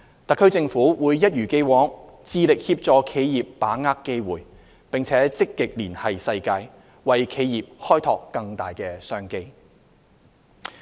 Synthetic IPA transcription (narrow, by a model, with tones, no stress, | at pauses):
t̪ɐ˨kʰːɵ˥ɥt͡sɪ˧ŋfuː˨˥wuː˨˧jːɐ˥t̚jyː˨˩ke˥˧jwɔː˨˥ŋt͡siː˧lɪ˨k̚hiː˧p̚t͡sɔː˧kʰe˨˧jjiː˨pːaː˨˥ŋaː˥kːe˥jwuː˨˩j | pɪ˨ŋt͡sʰɛː˨˥t͡sɪ˥kːɪ˨k̚liː˨˩nhɐ˨jsɐ˧jkaː˧j | wɐ˨jkʰe˨˧jjiː˨p̚hɔː˥jt̪ʰɔː˨kːɐ˧ŋt̪a̰ː˨jkɛː˧sœː˥ŋke˧j